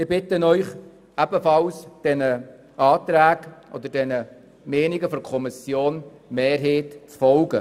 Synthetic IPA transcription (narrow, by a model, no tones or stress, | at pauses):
ɪɾb̥ɪtənœʏχ | æbəfɑlsd̥ɛnə | ɑːtɾæːɡʔɔ̰d̪əɾdɛnə | mɛːniɡəfɔɾkʰɔmɪsjoːn | meːɾɦeːtt͡sfɔlɡə